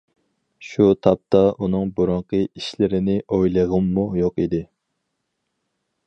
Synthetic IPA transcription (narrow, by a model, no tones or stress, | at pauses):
ʃut̪ʰɑp̚t̪ʰɑʔunɨŋbuɾuɴqəiʃlɪɾɪnɪʔojlˠəʁəmːujoqid̪ɪ